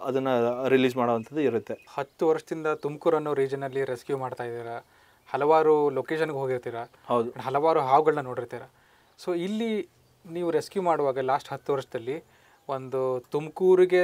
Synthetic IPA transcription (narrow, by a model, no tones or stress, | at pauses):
ɐd̪ɐnːɐɾiliːzmaːɽoːʋɐnt̪ʰɐd̪ːuiɾut̪ːehɐt̪ːuʋɐɾʂɐd̪ind̪ɐt̪umkuːɾɐnːuɾiːd͡ʒɐnɐlːiɾeskjumaːɖt̪aːjid̪iːɾɐ | hɐlɐʋaːɾuloːkeːʃɐnɡeɦoɡiɾt̪iːɾɐ | hɐwd̪uɐɦɐlɐʋaːɾuɦaːʋɡɐɭɐnɐno̞ːɽiɾt̪iːɾɐ | soːilːi | niːʋuɾeskjumaːɽuʋaːɡɐlaːsʈɦɐt̪ːuʋɐɾʂɐd̪ɐlːi | o̞nd̪ut̪umkuːɾiɡe̞